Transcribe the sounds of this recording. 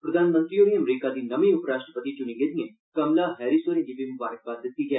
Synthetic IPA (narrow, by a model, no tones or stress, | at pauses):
pɾəd̪aːnmə̃nt̪ɾioːɾĩːəmɾiːkaːd̪iːnəmĩːʊpɾaːʃʈɾəpət̪iːt͡ʃʊnĩɡeːd̪iã | kəmlaːɦɛːɾiːsoːɾẽd͡ʒiːbimʊbaːɾək̚bəɾd̪ɪt̪ːiːɡɛː